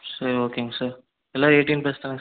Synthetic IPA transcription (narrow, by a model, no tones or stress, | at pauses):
sɐɾioːkeːŋɡɐsaːɾ | ɛlːaːeːʈːinpesɐnɐŋ